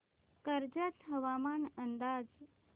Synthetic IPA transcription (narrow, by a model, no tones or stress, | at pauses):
kəɾd͡ʑət̪ɦəʋamanənd̪aːd͡z